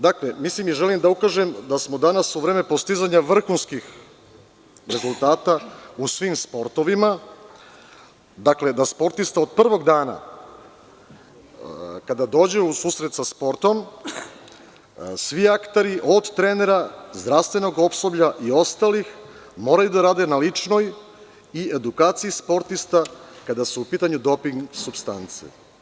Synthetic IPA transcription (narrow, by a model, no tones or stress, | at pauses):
d̪akle̞mislimiʒelimd̪aukaːʒemd̪asmo̞d̪anasuʋɾe̞ːme̞po̞st̪izaɲaʋr̩xunskix | ɾe̞zulˠt̪aːt̪ausʋimspo̞ɾt̪o̞ʋima | d̪akle̞d̪aspo̞ɾt̪ist̪ao̞d̪̚pr̩ʋo̞ɡd̪aːna̰ | kad̪ad̪o̞ːd͡ʑeusuːsɾe̞t̪saspo̞ɾt̪o̞m | sʋiakt̪aɾiʔo̞d̪t̪ɾene̞ɾazd̪ɾaʋst̪ʋe̞no̞ɡo̞psobʎaʔio̞st̪alix | mo̞ːɾajud̪aɾaːd̪enalit͡ʂno̞j | ie̞d̪ukaːt̪sijispo̞ɾt̪ist̪akad̪asuupiːt̪aɲud̪o̞piŋɡsubst̪ant̪sḭ